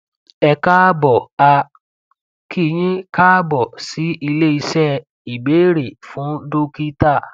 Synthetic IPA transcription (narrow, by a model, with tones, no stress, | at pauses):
ɛ˧ka˦bɔ˨a˧ | kʰi˦˧j̃ĩ˦ka˦bɔ˨si˨˦i˧le˦i˧sɛ˦˨ | i˨be˨˦ɾe˨fũ˨˦do˦ki˦ta˦˨